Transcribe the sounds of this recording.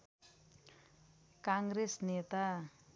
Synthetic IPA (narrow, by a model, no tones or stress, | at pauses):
kaŋɡɾesnet̪a